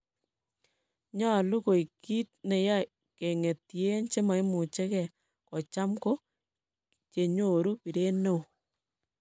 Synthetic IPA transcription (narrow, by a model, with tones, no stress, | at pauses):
ɲɔ˦˨lu˦ko˨i˨ki˦t̚ne˨ja˦ | ke˨ŋe˨tje˦nt͡ʃe˦ma˨i˦mu˨t͡ʃe˦kɛ˨ | kɔ˨t͡ʃa˦mko˦ | t͡ʃe˨ɲo˨ɾu˦pi˨ɾe˦no˦˨